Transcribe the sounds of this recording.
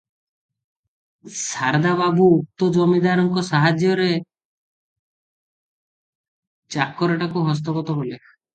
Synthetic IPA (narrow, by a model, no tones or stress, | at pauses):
saɾd̪ababuːk̚t̪ɔd͡ʒɔmid̪aɾɔŋkɔsaɦad͡ʒjɔɾe | t͡ʃakːɔɾɔʈakuɦɔs̬t̪ɔkɔt̪ɔɦole